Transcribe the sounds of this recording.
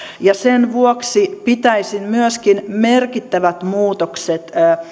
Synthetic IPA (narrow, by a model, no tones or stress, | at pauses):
jɑsenʋuoksipit̪æisinmyøskinmerkit̪ːæʋæt̪muːt̪okset̪ː